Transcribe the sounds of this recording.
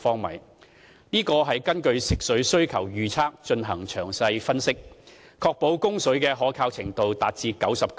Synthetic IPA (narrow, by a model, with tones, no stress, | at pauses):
fɔː˥ŋmɐ̰˨˩j | niː˥kɔː˧ɦɐ˨jkɐ˥nkɵ˧ɥsɪ˨k̚sɵ˨˥sɵ˥ɥkʰɐ˨˩wjyː˨˧t͡sʰaː˥k̚t͡ʃɵ˧nɦɐ˨˩ŋt͡ʃʰœː˨˩ŋsɐ˧jfɐ˥nsɪ˥k̚ | kʰɔː˧k̚po˨˥wkʊ˥ŋsɵ˨˥ɥkɛː˧ɦɔː˨˥kʰaː˧wt͡sʰɪ˨˩ŋt̪o˨wt̪aː˨t̚t͡siː˧kɐ˨˥wsɐ˨p̚k